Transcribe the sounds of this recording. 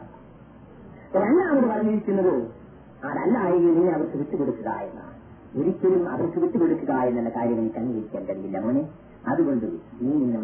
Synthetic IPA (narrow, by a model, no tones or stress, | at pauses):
ɾɐnːaːmɐɽeʋɐrɐŋːiɾikʲːunːɐðɨ | aːðɐlːaːjiɣilniŋːɐɐʋɐrsukiʈ̪ːuko̞ɽukːuɣa̰ːjenːa̰ | oɾikʲːɐlumɐ̰ʋɐrkuʋiʈːuko̞ɽukːuɣaːjenːenːɐkaːɾjɐmenikʲːɐŋːɐjiɾikʲːaːnkɐɽijilːɐmune | ɐðuɣo̞ɳɖɨniːniŋːɐ